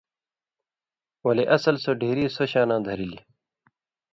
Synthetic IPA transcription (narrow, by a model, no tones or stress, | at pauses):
wɐleʔɐsɐlsoɖʱeːɾiːsoɕãːnãːd̪ʱɐɾili